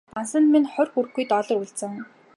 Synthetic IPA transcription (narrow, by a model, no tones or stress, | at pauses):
p̪ansə̆nminχœrʲxurɘ̆xɡujt̪ɔɮɞ̆ruɮt͡sɘ̆ŋ